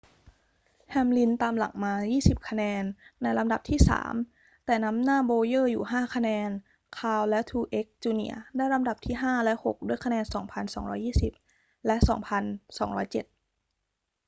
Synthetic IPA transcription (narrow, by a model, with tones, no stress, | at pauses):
hʰɛː˧mli˧nt̪aː˧mla̰˩˦ŋmaː˧jiː˥˩si˨˩p̚kʰa˧nɛː˧nːa˧jla˧mda˨˩p̚t̪ʰiː˥˩sa̰ː˩˦m | t̪ɛː˨˩na˦˥mnaː˥˩boː˧jɤː˥˩juː˨˩ɦaː˥˩kʰa˧nɛː˧n | kʰaː˧wlɛ˦˥t̪ʰuː˧ʔe˦˥k̚t͡ɕuː˧nḭ˧˩ɐdaː˥˩jla˦˧mda˨˩p̚t̪ʰiː˥˩ɦaː˥˩lɛ˦˥ho˨˩k̚du˥˩əjkʰa˧nɛː˧nsɔː˩˦ŋpʰa˧nsɔ̰ː˩˦ŋɾɔ̰ː˦˥jːiː˥˩si˨˩p̚ | lɛ˦˥ʔsɔ̰ː˩˦ŋpʰa˧nsɔː˩˦ŋɾɔː˦˥jt͡ɕe˨˩t̪̚